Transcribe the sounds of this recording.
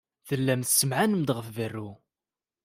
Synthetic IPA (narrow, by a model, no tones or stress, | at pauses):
θəlːæmθsːəmʕanəmd̪ʁəfvərːu